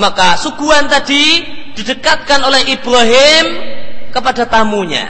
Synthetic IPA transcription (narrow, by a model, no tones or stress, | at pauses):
makasukuant̪adid̥idəkat̪̚kanolɛhib̥ɾaɦɪmkəpadat̪amuɲa̰